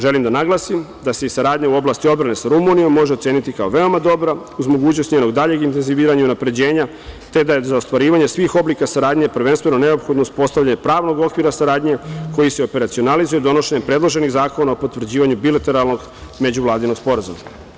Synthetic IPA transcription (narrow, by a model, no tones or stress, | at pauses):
ʒe̞limd̪anaɡlˠaːsim | d̪aseisaɾaːd̪ɲauo̞blaːst̪iobɾane̞saɾumunijo̞mːo̞ʒet̪seːnit̪ikao̞ʋe̞o̞mad̪o̞bɾauzmo̞ɡuːt͡ɕnost̪ɲeno̞ɡd̪aʎe̞ɡint̪enziʋiːɾaɲaunapɾe̞d͡ʑe̞ːɲa | t̪e̞d̪aezaost̪ʋaɾiːʋaɲesʋixo̞blikasaɾaːd̪ɲepr̩ʋe̞nst̪ʋeno̞ne̞opxo̞d̪noust̪po̞st̪aʋʎaɲepɾaːʋno̞ɡo̞kʋiːɾasaɾaːd̪ɲe̞ko̞jise̞ope̞ɾat̪sio̞nalizujed̪o̞no̞ʃeɲepɾe̞d̪lˠo̞ʒe̞niɣzaːko̞naopo̞t̪ʋr̩d͡ʑiːʋaɲubilat̪e̞ɾalˠno̞ɡ | me̞d͡ʑuʋlˠaːd̪ino̞ɡspo̞ɾazṵma